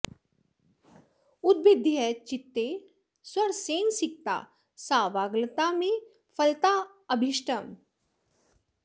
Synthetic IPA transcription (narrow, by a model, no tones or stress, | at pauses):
ʊd̪̚bɪd̪ʱjɛt͡ʃɪt̪ːe | swɐɾseːnsɪk̚t̪a̰ː | saːʋaːɡlt̪amẽ | fʰɐlt̪a | əbʱɪʃʈəm